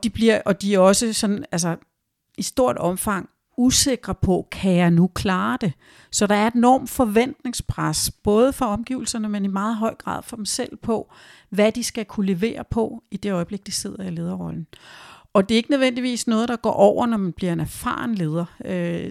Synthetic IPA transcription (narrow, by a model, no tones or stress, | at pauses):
d̥ib̥liɐ̰ʔɒ̽d̥iæɐɒ̽səsɒ̽næls̬ɐ | isd̥o̝ɐ̰d̥ɒ̽mfɑ̈ŋ̰ | use̝ɡ̥ʁɐpʰɒ̽kʰæjɑ̈ɪnukʰlɑ̈ːd̥e̝ | sɒ̽ɾ̥ɑ̈æɐe̝d̥enɒ̰ːmd̥fɒ̽ʋen̰d̥ne̝ŋspʰʁasb̥ɔ̽ːð̞ˠəfɒ̽ɒ̽mɡ̥ḭːʊl̩sɐnəmenimɑ̈ːð̞̩ˠɦɒ̽ɪ̰ɡ̥ʁɑ̰̈ːðˠfɒ̽d̥emsel̰pʰɒ̽ | ʋæd̥isɡ̥ækʰule̝ʋe̝̰ːɐpʰɒ̽id̥e̝ɒ̽ɪb̥le̝ɡ̥̚d̥ise̝ð̞̰ˠɐile̝ːð̞ˠɐʁɒ̽ln̩ɒ̽d̥e̝ɐe̝ɡ̥ənə̞ʋen̰d̥iʋḭːsnɔ̽ːð̞ˠd̥ɑ̈ɡ̥ɒ̰ːʔɒʊ̰ɐnɒmænb̥liɐe̝næɐfɑ̰̈ːŋle̝ːð̞ˠɐø